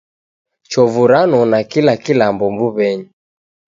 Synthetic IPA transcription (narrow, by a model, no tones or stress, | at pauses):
t͡ʃɔvuɾanɔnakilakilambɔmbuβɛɲi